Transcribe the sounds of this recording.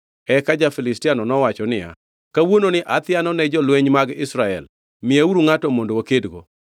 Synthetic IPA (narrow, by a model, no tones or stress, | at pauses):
ɛkad͡ʒafɪlɪstɪanɔnɔwat͡ʃɔnɪja̰ | kawononɪʔat̪ɪanɔnɛd͡ʒɔlweɲmaɡɪsɾaɛ̰l | mɪauɾuŋatɔmondookedɡo̰